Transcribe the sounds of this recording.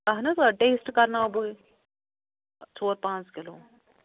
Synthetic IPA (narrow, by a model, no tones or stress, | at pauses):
kɐɦnɐsɐʈeːsʈkɐɾnabɨ | t͡ʃʰoːɾpãːt͡skɪloː